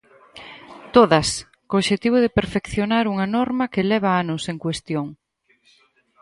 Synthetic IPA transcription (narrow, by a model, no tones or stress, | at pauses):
t̪oðɐs | kooːʃet̪iβ̞ʊð̞epeɾfekθjonaɾuŋɐnɔɾmɐkelɛβ̞ɐanʊseŋkwest̪joŋ